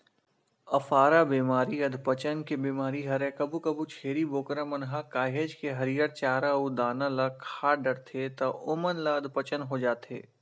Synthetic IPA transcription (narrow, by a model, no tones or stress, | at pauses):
ɐfaːɾabiːmaːɾiɐd̪ʱpət͡ʃənkebiːmaːɾiɦɐɾɛ̃kɐbukɐbut͡ʃʰeːɾiboːkɾamɐnɦakaːɦeːd͡ʒkeɦɐɾijəɾt͡ʃaːɾaud̪aːnalɐkʰaːɖɐɾt̪ʰet̪ɐʊmənlaɐd̪ʱpət͡ʃənɦod͡ʒaːt̪ḛː